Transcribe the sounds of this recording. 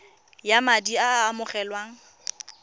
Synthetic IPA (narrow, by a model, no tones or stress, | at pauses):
jamadiaːmʊχɛlwaːŋ̩